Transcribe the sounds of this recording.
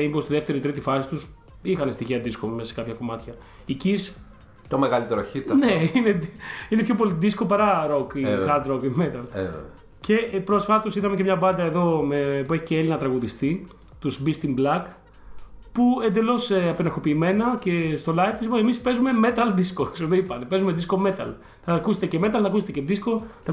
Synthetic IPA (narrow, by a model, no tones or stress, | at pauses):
ipost̪iðeft̪e̞ɾoit̪ɾit̪ifɐsit̪us | ixɐnest̪içiɐd̪iskommese̥kɐpçɐko̞mɐt̪çɐ | icis | t̪omeɣɐlit̪eɾoçit̪ɐnneineinepço̞po̞liðiskopɐɾɐɾo̞kiɣɐld̪ɾokmet̪ɐl̰ | ce̞pɾo̞sfɐt̪o̞siðɐme̞cemɲɐbɐnd̪ɐe̞ðo̞mepue̞çi̥ceelinɐt̪ɾɐɣuðist̪i | t̪uzbist̪imblɐk | pue̞nd̪e̞lo̞seɐpenɐɾxopiːme̞nɐce̞st̪o̞lɐjfθisiposemispe̞zume̞me̞t̪ɐlðiskosoðeipɐnepe̞zumeðisko̞me̞t̪ɐ̰l | θɐkuset̪ece̞me̞t̪ɐlnɐkuset̪ece̞ðisko̞t̪ɐ